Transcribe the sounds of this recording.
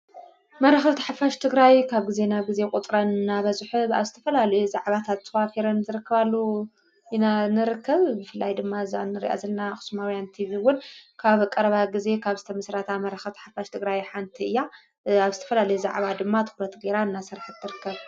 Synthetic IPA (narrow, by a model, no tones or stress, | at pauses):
mɐɾɐxɐt̪ʰḁħafaʃt̪ʰɨɡɾajkʰaβɡize̞naɡize̞kʼut̪ʼɾɐnnːaβɐzħua̰βzɨt̪ʰɐfɐlalɐjuzaʕβat̪ʰat̪tːʰɐwafiɾɐnzɨɾɨkːɐβalːo | ʔinanɨɾɨkʰːɐβbɨfɨlːajd̪ɨmːaza̰nːɨɾḭʔa̰zɐlnaxɨ̥sumawjant̪ʰiβiwʊnkʰaβkʼɐɾɐβaɡize̞kʰaβzɨt̪ʰɐmɨsɾat̪ʰamɐɾɐxɐt̪ʰħafaʃt̪ʰɨɡɾajħant̪ʰiɨjːa | aβzɨt̪ʰɐ̥fɐlalɐjuza̰ʕβad̪ɨmːat̪ʰɨ̥xɾɐt̪ɡe̞ɾaɨnːasɨɾħt̪ʰːɨɾɨkːɐβ